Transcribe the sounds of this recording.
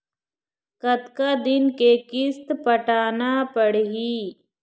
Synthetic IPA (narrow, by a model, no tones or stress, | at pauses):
kət̪kad̪ɪnkekɪst̪pəʈaːnapəɽɦi